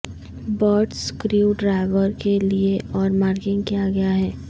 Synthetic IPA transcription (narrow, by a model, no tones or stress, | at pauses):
bɔːʈskɾiuɖɾaːɪʋəɾkelieʔɔːɾmaːɾkɪ̃ŋɡkijaɡɐjaɦɛː